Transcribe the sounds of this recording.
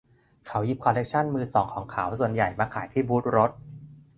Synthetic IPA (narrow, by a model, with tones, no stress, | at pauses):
kʰa˩˦wji˦˥p̚kʰɔː˧le˦˥k̚t͡ɕʰa˥˩nmɯː˧sɔː˩˦ŋkʰɔː˩˦ŋkʰa˩˦wsu˨˩ənja˨˩jmaː˧kʰaː˨˦jt̪ʰiː˥˩buː˦˥t̪̚ɾo˦˥t̪̚